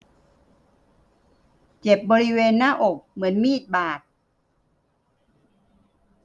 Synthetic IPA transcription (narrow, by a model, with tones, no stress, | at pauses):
t͡ɕe˨˩p̚bɔː˧ɾi˦˥weː˧nːaː˥˩˨ʔo˨˩k̚mɯ˩˦ənmiː˥˩t̪̚baː˨˩t̪̚